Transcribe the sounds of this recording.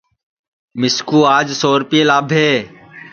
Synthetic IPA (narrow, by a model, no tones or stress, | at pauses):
mɪskuːaːd͡ʒsoːɾpieːlaːbʱɦeː